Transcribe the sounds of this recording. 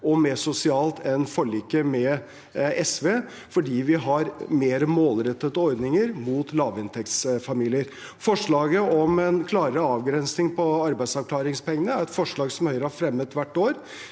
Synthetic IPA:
ɔmeːʂʊsɪɑːlt̪ʰɛnfɔɭiːkːəmɛ | ɛsʋeː | fɔɖiːʋɪɦɑɾmeːɾəmoːlɾɛt̪ːət̪ːəɔɾd̪nɪŋəɾmuːt̪lɑːʋɪnt̪ʰɛkt̪sfɑmiːlɪəɾ | fɔʂɭɑːɡəʔɔmɛnkʰlɑːɾəɾəɑːʋɡɾɛnsnɪŋpʰɔɑɾbæɪd̪sɑʋkʰlɑːɾɪŋspɛŋːənəæɾɛt̪fɔʂɭɑːɡsɔmhœʏɾəhɑɾfɾɛmːət̪ʋæʈːoːɾ

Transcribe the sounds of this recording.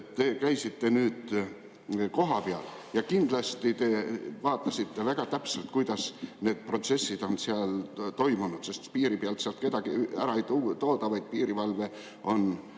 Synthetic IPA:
tt̪e̞ːkæjsit̪ːe̞nyːd̪̥ | ko̞ɦɑpeɑl | jɑkind̪̥lɑst̪it̪e̞vɑːt̪ːˑɑsit̪ːe̞væɡ̥ɑt̪æpselt̪kujd̪̥ɑsne̞ːd̪̥̚pro̞t̪se̞sːid̪̥o̞nseɑlt̪o̞jmunut̪se̞st̪piːɾipeɑlt̪seɑlt̪̚ke̞d̪ɑɡ̥iæɾɑejt̪ut̪o̞ːd̪ɑvɑjd̪̥̚piːɾivɑlve̞ | o̞n

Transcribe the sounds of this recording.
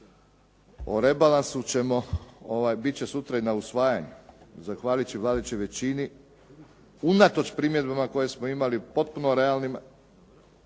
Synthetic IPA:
o̰ɾe̞balansut͡ɕe̞mo̞oʋajbitt͡ɕe̞sut̪ɾainausʋaːjaɲuzaxʋaːlit͡ɕiʋlˠaːd̪et͡ɕoʋe̞t͡ɕini | unat̪o̞t͡ɕpɾimje̞d̪̚bamako̞je̞smoimalipo̞t̪̚punoɾe̞alnim

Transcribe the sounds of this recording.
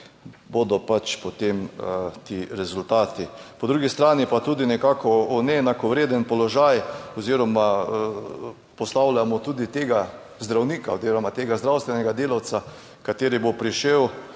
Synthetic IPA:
bod̪ɔpat͡ʃpɔt̪emt̪iɾɛzʊlt̪aːt̪ipɔd̪ɾuːɡist̪ɾaːnipat̪uːd̪inɛkaːkʰɔɔnɛɛnakɔʋɾeːd̪ənpɔlɔʒajɔziɾɔma | pɔst̪awlamɔt̪uːd̪it̪eːɡa | zd̪ɾawniːkaoziːɾɔmat̪eːɡazd̪ɾawst̪ʋɛnɛɡad̪eːlawt̪sa | kat̪eːɾibopɾiʃew

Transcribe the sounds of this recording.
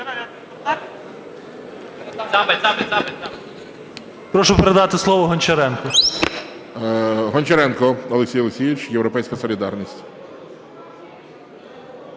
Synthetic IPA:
pɾɔʃʊpeɾed̪ɑt̪ɪslˠɔʋɔɦɔnʲt͡ʃɐɾɛnkɔ | ɦɔnʲt͡ʃɐɾɛnkɔɔlˠeksʲijɔlˠeksʲijʋʲɪt͡ʃjewɾɔpɛjsʲkɐsɔlʲid̪ɑrnʲisʲtʲ

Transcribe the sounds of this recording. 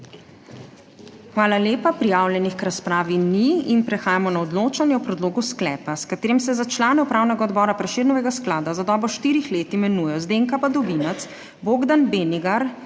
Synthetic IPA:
xʋaːlaleːpapɾijaːwljɛnixkɾaspɾaːʋiniinpɾɛxaːjamɔnaɔd̪loːt͡ʃanjɛɔpɾɛd̪loːɡusklɛːpaskat̪eːɾimsɛzat͡ʃlaːnɛupɾaːwnɛɡaɔd̪bɔːɾapɾɛʃeːd̪nɔʋɛɡasklaːd̪azad̪ɔːbɾɔʃt̪iːɾixleːt̪imɛnujɛjɔzd̪eŋkapad̪ɔbinat̪s | boːɡd̪anbeniɡaɾ

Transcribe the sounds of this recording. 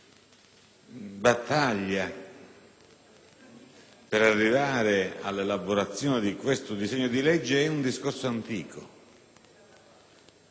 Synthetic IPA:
bat̪ːaʎːa | peɾarːivaːɾea̰lːelaboɾat̪sːjɔːnɪd̪ikwest̪ʊd̪izɛɲːod̪ilɛd͡ʒːeɛund̪iskorsoant̪iːkʰo̰

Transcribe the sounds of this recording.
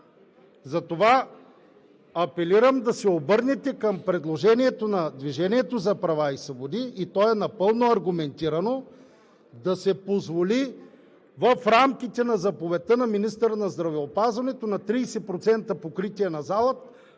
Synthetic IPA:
zɐt̪ova | ɐpɛliɾəmd̪ɐsɛobɤɾnɛt̪ɛkɐmpɾɛd̪lˠoʒɛniɛt̪onɐd̪viʒɛniɛt̪ozɐpɾɐvaisvobod̪iːt̪ɔɛnɐpɤlˠnoɐɾɡʊmɛnt̪iɾɐno | d̪ɐsɛpozvoli | vəfɾamk̟it̪ɛnɐzɐpovɛt̪ənɐminist̪əɾənɐzd̪ɾɐvɛopazvɐnɛt̪onɐt̪ɾiːsɛpɾot̪sɛnt̪əpokɾit̪iɛnɐzalˠət̪

